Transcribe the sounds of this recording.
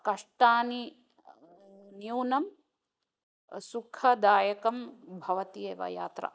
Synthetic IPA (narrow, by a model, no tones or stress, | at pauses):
kɐʂʈaːni | njuwnɐm | sukʰɐd̪aːjɐkɐmbʱɐʋɐt̪ieːʋɐ̰ja̰ːt̪ɾɐ̰